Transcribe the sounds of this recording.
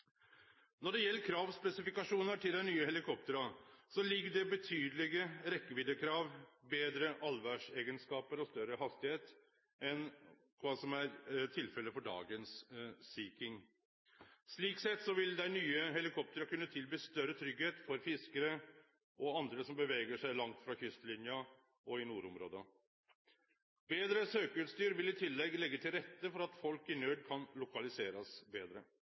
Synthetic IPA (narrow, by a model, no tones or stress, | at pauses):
nɔɖɛjɛlːəkʰɾɑːʋspɛsɪfɪkɑʂuːnəʈʰɪld̪æɪnyːəhɛlɪkʰɔp̚t̪əɾɑsɔlɪɡːəɖɛbət̪ʰyːd̪əlɪɡəɾɛkːəʋɪd̪əkʰɾɑːʋbeːd̪ɾəʔɑlʋæʂeːɡənskɑːpəɾɔst̪œɾəhɑst̪ɪheːt̪ | ɛn | kʰʋɑːsɔmæɾt̪ʰɪlfɛlːəfɔɖɑ̰ːɡənsːiːkɪŋ | sɭiːksɛt̪ːsɔʋɪld̪æɪnyːəɦɛlɪkʰɔp̚t̪əɾkʉnːət̪ʰɪlbyːst̪œɾət̪ʰɾʏɡheːt̪fɔɾfɪskəɾə | ʔɔɑnd̪ɾəsɔmbəʋɛːɡəʂæɪlɑŋt̪fɾɑçʏst̪əlɪnjɑ | ɔɪnuːɾʊmɾo̰ːd̪ə | beːd̪ɾəsøːkəʉːt̪st̪yːɾʋɪlɪt̪ʰɪlːɛɡlɛɡːət̪ʰɪlɾɛt̪ːəfɔɾɑt̪fɔlkɪnøːɖkʰɑnlʊkɑlɪseːɾɑsbeːd̪ɾə